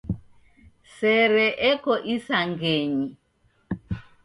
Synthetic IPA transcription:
sɛɾɛʔɛkɔʔisaŋɡeɲi

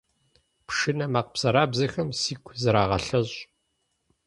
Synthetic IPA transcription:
pʂɨnɐmaːqpsɐɾaːbzɐxɐmsiːkʷʰzɐɾaːʁɐ̰ɬɐɕʼ

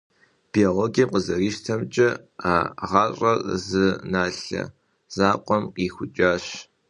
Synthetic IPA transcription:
b̥ioʁoɡiːqəzɐriːʃtʰɐmt͡ʃʼɐ | aːʁɑɕʼɐrzɨnaːɬɐ̰ | z̥aːqʷʼɔmqiːxʷʊt͡ʃʼaːɕ

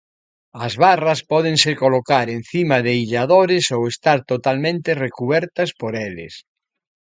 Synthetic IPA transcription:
ɐzβarɐspɔð̞eŋsekolokaɾen̟θimɐðeiʎaðoɾɪsowest̪aɾt̪ot̪almẽnt̪erekuβɛɾt̪ɐspoɾelɪ̰s

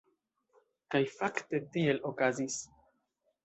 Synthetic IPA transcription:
kajfakte̞tie̞lo̞kazis

